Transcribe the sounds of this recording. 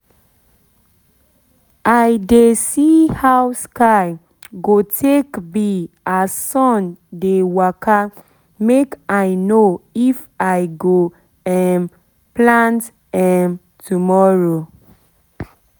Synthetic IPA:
ajdesihawskaɪ | ɡotʰekbi | asɔ̃ndewaka | mekaɪnoif | aɪɡo | ɛm | plãnt | ɛm | tumɔɹo

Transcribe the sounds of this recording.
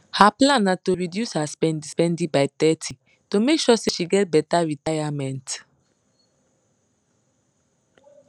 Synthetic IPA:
haplãnatoɹidjushaspɛ̃ndispɛ̃ndĩbaɪt̪ɛtʰi | tomekʃɔseʃiɡɛt̚bɛtaɹitajamɛ̃nt

